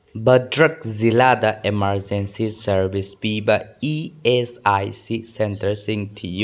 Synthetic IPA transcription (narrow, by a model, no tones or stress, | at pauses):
bədɾək̚ziladɐʔemaɾd͡ʒensisəɾbisbibaiesajsisentəɾsiŋtʰiju